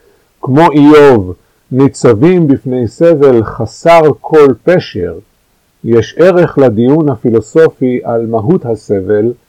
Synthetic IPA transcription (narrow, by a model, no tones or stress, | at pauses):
kmo̞ʔijov | nit͡savimbifne̞jse̞ve̞lχasaʁkʰo̞lpeʃḛʁ | jeʃe̞ʁe̞χlad̪ijunhafilo̞so̞fiʔalmaɦut̪hase̞vel